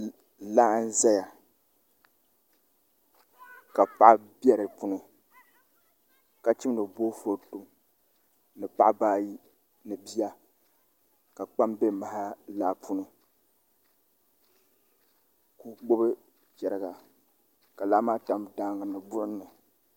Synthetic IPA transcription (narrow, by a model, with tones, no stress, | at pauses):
laː˦n̩˦za˦ja˨ | ka˨pa˦ʔbjɛ˦ɾɨ˨pu˦nɨ˨ | ka˨t͡ʃi˦m˦nɨ˨boː˦fo˨tu˨m | nɨ˨pa˦ʔbaː˦ji˦ | nɨ˨bi˦ja˦ | ka˨k͡pa˦mbe˦ma˨ha˦laː˦pʰu˦nɨ˦ | ku˦ɡ͡bo˦bɨ˦ | t͡ʃɛ˨ɾɨ˨ɡa˨ | ka˨la˦maː˦ta˨mda˦ŋɡɨ˨nɨ˨bʊ˦ʔʊ˦nːɨ˨